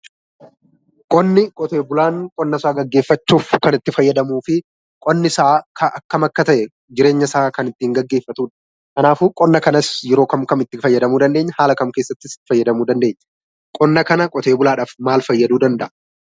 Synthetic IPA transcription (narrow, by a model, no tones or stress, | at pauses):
kʼɔnːɪkʼɔt̪e̞ːbʊlaːŋkʼɔnːɐsaːɡɐɡːe̞ːfːɐt͡ʃːuːfkɐnɪt̪ːɪfɐjːɐd̪ɐmuːfɪ | kʼɔnːɪsaːkʰɐʔɐkːɐmɐkːɐt̪ɐʔɛ | d͡ʒɪɾe̞ːɲːɐsaːkɐnɪt̪ːiːŋɡɐɡːe̞ːfːɐt̪uːᶑɐ̥ | kɐnaːfuːkʼɔnːɐkɐnɐsjɛɾo̞ːkɐmkɐmɪt̪ːɪfɐjːɐd̪ɐmuːd̪ɐnd̪eːɲːɐhaːlɐkɐmkeːsːɐt̪ːɪsɪ̥t̪ːɪ̥fɐjːɐd̪ɐmuːd̪ɐnd̪eːɲːɐ̥ | kʼɔnːɐkɐnɐkʼɔt̪e̞ːbʊlaːᶑaːfmaːlfɐjːɐd̪uːd̪ɐnd̪ɐʔɐ